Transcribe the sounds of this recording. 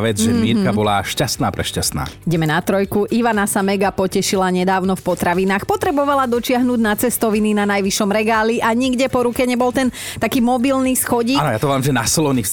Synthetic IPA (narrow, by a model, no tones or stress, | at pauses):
ʋɛd͡zʒɛmiɛɾkabɔlaʃcast̪naːpɾɛʃcast̪na̰ːiɟɛmɛnat̪ɾɔjkuʔiʋanasamɛɡapɔcɛʃilaɲɛd̪aːʊnɔfpɔt̪ɾaʋinaːxpɔt̪ɾɛbɔʋalad̪ɔt͡ʃɪaɦnuːɟnat͡sɛst̪ɔʋininanajʋiʃɔmɾɛɡaːliʔaɲiɡɟɛpɔɾukɛɲɛbɔlˠt̪ɛnt̪akiːmɔbilnisxɔɟiːanɔjat̪ɔʋaːmʒɛnasɔlɔni